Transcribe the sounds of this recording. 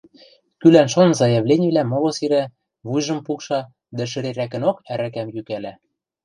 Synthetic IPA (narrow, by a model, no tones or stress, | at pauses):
kylænʃɤnzɑjɑβlʲenʲiβlæmolosiɾæ | βujʒɤ̆mpukʃɑ | d̪æʃ̬ɘ̆ɾeɾækɘ̆nokæɾækæmjykælæ